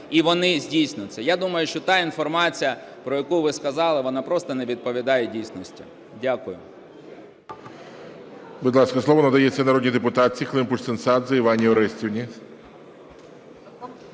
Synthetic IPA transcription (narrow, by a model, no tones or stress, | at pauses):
iʋɔnɪzʲdʲijsʲnʊt͡sʲːɐjad̪umɐjʊʃt͡ʃɔt̪ɑinfɔrmɑt͡sʲijɐ | pɾɔjɐkuʋɪskɐzɑlˠɪʋɔnɑpɾɔst̪ɔnɛʋʲid̪̚pɔʋʲid̪ɑjɛdʲijsʲnɔsʲtʲḭ | dʲakʊjʊ̰ | bʊd̪ʲlˠɑskɐslˠɔʋɔnɐd̪ɐjɛt͡sʲːɐnɐɾɔdʲnʲid̪ɛpʊt̪ɑt͡sʲːixlˠɪmpʊʂt̪ɪnsɑd̪zɨiʋanʲːiɔɾɛsʲtʲiwnʲi